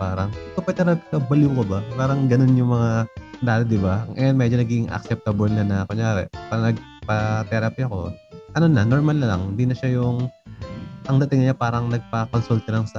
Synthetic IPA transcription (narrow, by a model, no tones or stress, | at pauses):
paːɾɐŋt̪opɐt̪ɛɾɐpikɐbɐluːkobɐpaːɾɐŋɡɐno̞njʊŋmɐŋad̪aːt̪ɪd̪ɪbaŋʔɐ̰jɐnmɛd͡ʒonɐɡiɪŋʔɐ̰k̚sɛp̚t̪ɐbɐlnɐnɐkoɲaːɾɛ̰ʔpaːɾɐnɐɡ̚pɐt̪ɛɾɐpiɐko̞̰ʔɐnonɐno̞ɾmɐlnɐlɐ̰ŋɪnd̪inɐʃajʊŋ | ʔɐŋd̪ɐt̪ɪŋɲapaːɾɐŋnɐɡ̚pɐkonsult̪̚ɐlɐŋsɐ